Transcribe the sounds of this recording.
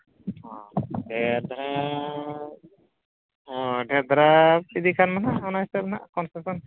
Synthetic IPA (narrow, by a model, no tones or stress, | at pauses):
ɔɖɛɾd̪ɾa | ɔɖɛɾd̪ɾasid̪ikʰanmanaʔɔnajstɛmanaʔkɔnsesɔn